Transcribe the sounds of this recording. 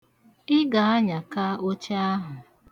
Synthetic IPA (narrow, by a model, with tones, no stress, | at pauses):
ɪ˦ɡa˨a˦ɲa˨ka˦o˦t͡ʃe˦a˦ɦʊ˨